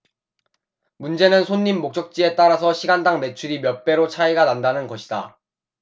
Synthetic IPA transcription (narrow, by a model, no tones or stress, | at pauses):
mund͡ʑe̞nɯnsʰoɲːimːok̚t͡ɕ͈ʌk̚t͡ɕ͈ie̞t͈aɾasʰʌɕʰiɡandaŋme̞t͡ɕʰuɾimjʌp͈e̞ɾot͡ɕʰaiɡanandanɯnɡʌɕʰida